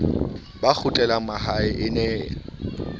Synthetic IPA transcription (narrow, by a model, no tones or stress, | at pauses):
bak͡xʰʊtʼɛlamaɦaɪʔɪnɛː